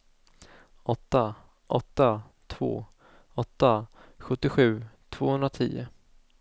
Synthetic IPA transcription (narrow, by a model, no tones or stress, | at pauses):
ʔɔt̪ːa | ʔɔt̪ːa | t̪ʰv̥o̰ː | ɔt̪ːaɧɵt̪ːɪɧʉ̟ːt̪ʰv̥oːhɵnɾat̪ʰiːʊ̰